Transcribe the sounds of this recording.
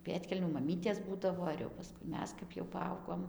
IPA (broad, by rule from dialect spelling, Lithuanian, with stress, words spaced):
ˈpʲeːtʲkʲɛlʲnʲuː mɐˈmʲiːtʲeːs ˈbuːdɐʋoː ɪr jɛʊ pɐˈskʊɪ ˈmʲɛs kɐp jɛʊ pɐˈɐʊɡoːm